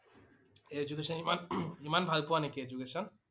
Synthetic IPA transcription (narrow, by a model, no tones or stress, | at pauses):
ed͡ʒukesɔnimanimanbʱalpuanekeed͡ʒukeʃɔn